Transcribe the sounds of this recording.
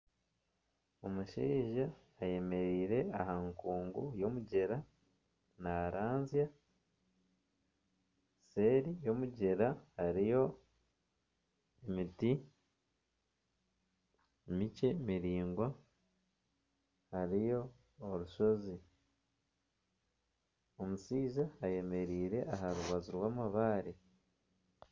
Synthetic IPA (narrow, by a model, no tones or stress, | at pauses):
o̞muʃiːʒaː | je̞me̞ɾiːɾe̞ahaŋkuːŋɡujo̞muɟe̞ɾa | naɾaːnzja | se̞ːɾijo̞muɟe̞ɾahaɾijo̞ | emiti | mice̞miɾiːŋɡwa | haɾijo̞ː | ɾuʃo̞zi | o̞musiːzaːje̞me̞ɾiːɾe̞ʔaɦaɾuβaziɾwaːmaβaːɾe